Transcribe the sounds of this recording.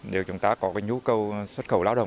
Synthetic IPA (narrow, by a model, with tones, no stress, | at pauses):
ɗe˨˩t͡ɕʊ˨˧˦ŋ͡mt̪aː˨˦˥kɔ˨˦kaː˨˦jɲu˨˧˦kə˧wswə˦˥t̚xə̰˧˩wlaː˨˦wɗə̰˧˨